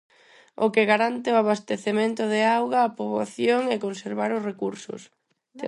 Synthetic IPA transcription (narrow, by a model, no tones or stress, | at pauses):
o̰keɣaɾant̪eoaβast̪eθemẽnt̪ʊðɪawɣaːpoβaθjoŋɛkonseɾβaɾʊsrekuɾsʊ̰s